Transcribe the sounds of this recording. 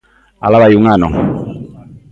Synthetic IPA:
a̰laβajuŋanɔ̰ŋ

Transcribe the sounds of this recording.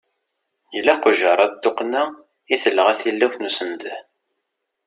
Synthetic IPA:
jəlːæqʊʒəɾˤɑt̪ːoqnæ | iθəlːəʁæθilːæwθnusənd̪ə

